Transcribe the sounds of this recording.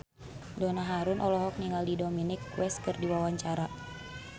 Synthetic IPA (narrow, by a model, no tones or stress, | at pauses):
dɔnaɦaɾunʔɔlɔɦɔk̚niŋɡaldidɔminikːwɛskɨrdiwawaɲt͡ʃaɾa